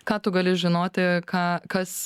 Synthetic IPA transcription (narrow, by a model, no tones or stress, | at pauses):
kɑːt̪ʊɡɐlʲɪʒʲɪnoːt̪ʲɪkɑːkɐs